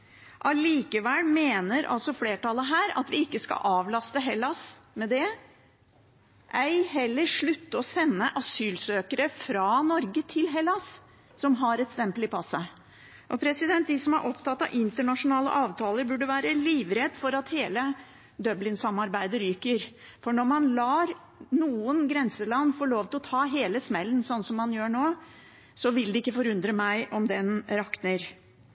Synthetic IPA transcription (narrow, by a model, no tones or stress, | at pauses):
ʔɑliːkəʋɛlmeːnəɾʔɑ̰lsɔfleːʈʰɑləɦæːɾɑ̰t̪ʋɪɪkːəskɑ̰ʔɑːʋlɑst̪əɦɛlːɑsmɛd̪ɛ | ʔæɪɦɛlːəɾʂɭʉt̪ːəɔsɛnːəʔɑsyːlsøːkəɾəfɾɑnɔɾɡət̪ʰɪlɦɛlɑs | sɔmɦɑɾɛt̪st̪ɛmpəlɪpʰɑsːə | ʔɔpʰɾɛsɪd̪ɛnt̪̚d̪ɪsɔmɑ̰ɾʔɔpt̪ʰɑt̪ːɑʋʔɪnt̪əɳɑʂʊnɑːlə̰ʔɑːʋt̪ʰɑːləɾbʉɖːəʋæːɾəliːʋɾɛd̪fɔɾɑt̪heːlə | d̪œblɪnsɑmɑɾbæɪd̪əɾyːkəɾ | fɔɳɔɾmɑnlɑːɾ | nuːənɡɾɛnsəlɑnːfoːɭoːʋt̪ɪlɔt̪ʰɑːɦeːləsmɛlːənsɔnːəsɔmːɑnjøːɳoː | sɔʋɪld̪ɛɪkːəfɔɾʉnd̪ɾəmæɪʔɔmd̪ɛnɾɑknəɾ